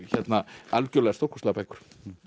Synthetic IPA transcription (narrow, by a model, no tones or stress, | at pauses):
çɛt̪naalcœlɛɣast̪ow̥rkɔ̥st̪ɛpɛjkʏ̥ɾ̥